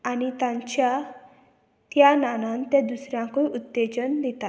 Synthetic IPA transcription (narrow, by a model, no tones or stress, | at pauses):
añit̪ãɲt͡ɕja | t̪jananant̪ed̪usɾjãŋkojut̪ːed͡ʑənd̪it̪a